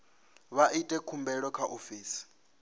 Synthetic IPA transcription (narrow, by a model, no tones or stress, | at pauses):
βaʔitʼɛkʰumbɛɺɔkʰaʔofiːsi̥